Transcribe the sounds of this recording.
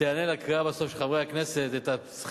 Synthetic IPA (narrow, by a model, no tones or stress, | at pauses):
eanelakʁiabasofʃeχavʁeakneset̪et̪as